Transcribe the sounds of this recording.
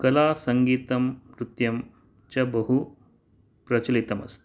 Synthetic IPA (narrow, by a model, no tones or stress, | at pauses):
kɐlaːsɐŋɡiːt̪ɐmɾut̪jɐm | t͡ʃɐbɐɦu | pɾɐt͡ʃɐlit̪ɐmɐ̰st̪ʰ